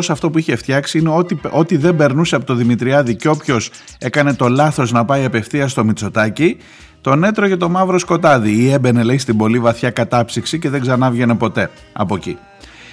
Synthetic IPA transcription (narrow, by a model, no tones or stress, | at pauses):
osɐft̪o̞puiçe̞ft̪çɐksiine̞ot̪ʔo̞t̪iðe̞mbe̞ɾnuseɐpot̪oðimit̪ɾiɐðiceo̞pço̞s | e̞kɐne̞t̪o̞lɐθo̞znɐpɐiɐpe̞fθiɐst̪o̞mit͡so̞t̪ɐci | t̪o̞ne̞t̪ɾocɐt̪o̞mɐvɾo̞sko̞t̪ɐðiie̞be̞ne̞lɐist̪ibo̞livɐθçɐkɐt̪ɐpsiksice̞ðe̞ɡzɐnɐvʝe̞ne̞po̞t̪e̞ | ɐ̰po̞cḭ